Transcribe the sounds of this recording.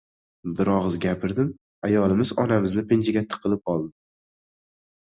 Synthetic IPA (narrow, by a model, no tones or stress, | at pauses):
bɪɾɒʁɨzɡʲapʰɪɾd̪ɪm | ajɒlˠɪmɪzɒ̰namɪznɪpɪnd͡ʒɪɡʲat̪ʰːɪ̥qʰɨlˠɪp̚ɒlˠd̪ɪ